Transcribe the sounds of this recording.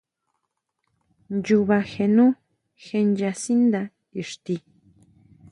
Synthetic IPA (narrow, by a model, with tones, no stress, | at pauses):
nd͡ʒu˧βa˧xe˧nũ˦ | xe˧nd͡ʒa˧si˦nd̪a˧ | i˨ʂt̪i˧